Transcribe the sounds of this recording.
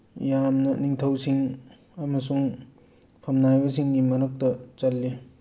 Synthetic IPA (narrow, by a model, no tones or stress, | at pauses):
jamnɐniŋtʰɐwsiŋ | ɐmɐsuŋ | pʰɐmnajbɐsiŋnimɐnɐk̚tɐt͡ʃɐlːi